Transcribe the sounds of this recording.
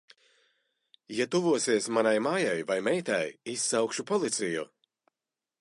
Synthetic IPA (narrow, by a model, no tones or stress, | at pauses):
jat̪uvuɔsiɛsmanajmaːjajvajmɛjt̪a̰jisːawkʃupɔlˠit̪sijṵ